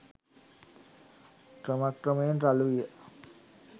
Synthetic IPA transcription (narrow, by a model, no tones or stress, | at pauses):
krəmakrəməjənraluʋijə